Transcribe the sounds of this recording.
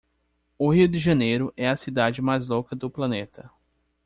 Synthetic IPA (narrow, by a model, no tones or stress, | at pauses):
ʊhiʊd̪ɪʒɐnejɾʊʔɛɐsid̪ad͡ʒɪmajzlokɐd̪ʊplɐnet̪ɐ